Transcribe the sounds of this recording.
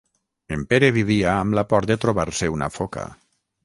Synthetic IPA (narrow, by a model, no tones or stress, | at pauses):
empeɾeβiβiaːmlapɔɾt̪d̪et̪ɾoβaɾseuna̰foka̰